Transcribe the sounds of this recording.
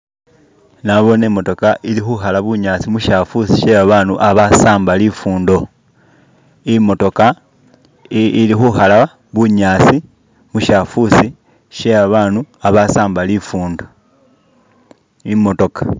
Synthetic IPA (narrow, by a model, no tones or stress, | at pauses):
naβo̞neːmo̞to̞kaʔilixuxalaβuɲaːsimuʃafusiʃe̞aβaːnuʔaβasaːmbalifuːndo̞ | imo̞to̞ka | ilixuxala | βuɲasi | muʃafusi | ʃe̞aβaːnuaβasaːmbalifuːndo | imo̞to̞kḁ